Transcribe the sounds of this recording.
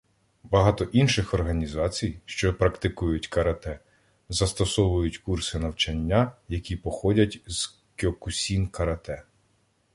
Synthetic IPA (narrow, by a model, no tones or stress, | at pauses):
bɐɦɑt̪ɔʔinʃɪxɔrɦɐnʲizɑt͡sʲijʃt͡ʃɔpɾɐkt̪ɪkujʊtʲkɐɾɐt̪ɛ | zɐst̪ɔsɔʋʊjʊtʲkursɪnɐwt͡ʃɐnʲːajɐkʲipɔxɔdʲɐtʲz̥ | kʲeɔkʊsʲinkɐɾɐt̪ɛ